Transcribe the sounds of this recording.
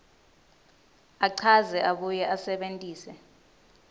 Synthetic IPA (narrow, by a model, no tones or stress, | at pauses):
aǀʰazɛʔaɓujɛʔasɛɓentʼiːsɛ